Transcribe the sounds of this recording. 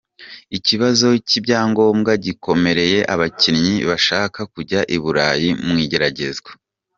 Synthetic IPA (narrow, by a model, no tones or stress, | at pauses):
iciβazo̞cibɟaːŋɡo̞ːmɡaɟikʰo̞me̞ɾe̞je̞ʔaβacinɲiβaʃaːkakuɟaʔiβuɾaːjimŋiːɟe̞ɾaɟe̞zɡwa